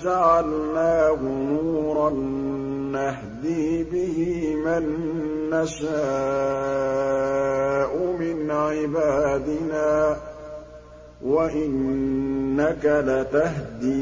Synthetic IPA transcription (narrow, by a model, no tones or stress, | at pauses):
d͡ʒaʕalnaːhʊnuːɾˤɑnː | aɦd̪iːbɪhɪmanːaʃaː | ʔʊmɪnʕɪbaːd̪ɪnaː | waʔɪnː | akalat̪aɦd̪i